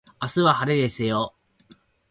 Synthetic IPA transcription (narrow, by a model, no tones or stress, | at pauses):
asɨβahaɾed̪e̞sɨjo